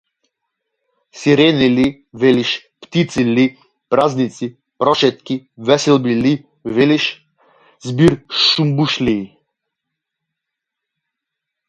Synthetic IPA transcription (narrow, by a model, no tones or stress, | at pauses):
siɾɛnili | vɛliʃ | pt̪it̪sili | pɾaznit̪si | pɾɔʃɛt̪̚kʲivɛsɛlˠbili | vɛliʃ | zbiɾʃumbuʃliː